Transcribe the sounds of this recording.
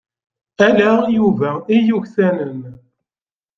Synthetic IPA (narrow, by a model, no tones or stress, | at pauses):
ælæjuvæijuçθænən